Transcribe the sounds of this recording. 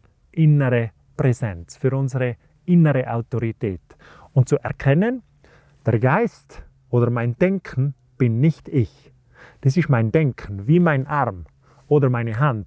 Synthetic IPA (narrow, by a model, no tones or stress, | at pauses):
ʔɪnəʁə | pʁ̥ɛzɛnt͡sfyːɐʊnzəʁə | ʔɪnəʁəʔaʊtoʁitʰɛːt | ʊnt̚t͡suʔɛɐkʰɛnən | d̥eːɐɡaɪst | ʔoːdɐmaɪndɛŋkʰn̩ | b̥ɪnːɪçtɪç | d̥iːsɪstmaɪndɛŋkʰn̩viːmaɪnʔaʁm | ʔoːdɐmaɪnəɦant